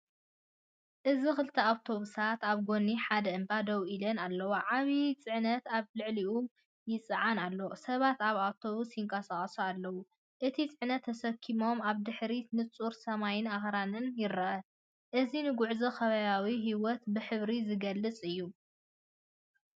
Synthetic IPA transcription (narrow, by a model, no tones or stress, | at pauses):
ʔɨzixɨlt̪ʰɐawt̪ʰo̞βusat̪aβɡo̞nːiħad̪ɐɨmbad̪ɐwʔilɐnalːɐwoʕaβit͡sʼɨʕnɐt̪aβlɨʕliʔu | jɪt͡sʼɨʕanalːowsɐβat̪aβawt̪ʰo̞βusjɪŋkʼɐsaχʼsualːɐwu | ʔɨt̪ʰit͡sʼɨʕnɐt̪ʰːɐsɐkʰːimo̞maβd̪ɨħɾinɨt͡sʼuɾsɐmajɪnaxɾanɨnjɪɾɐʔɐ | ʔɨzinɨɡʊʕzɐxɐβɐβawiɦiwɔt̪bɨħɨβɾizɨɡɐlːɨt͡sʼɨjːu